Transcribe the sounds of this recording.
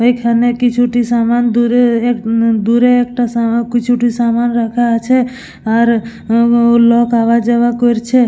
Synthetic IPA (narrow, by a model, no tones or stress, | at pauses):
əikʰanekit͡ʃʰuʈisamand̪uɾeekd̪uɾeekʈasakt͡ʃʰuʈisamanɾəkʰat͡ʃʰe | aɾ | lɔkaʋad͡ʒəʋakoɾt͡ʃʰe